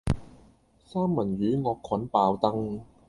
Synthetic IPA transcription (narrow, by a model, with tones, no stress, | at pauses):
saː˥mːɐ˨˩njyː˨˥ŋɔː˧kʰːwɐ˨˥npaː˨˧wt̪ɐ˥ŋ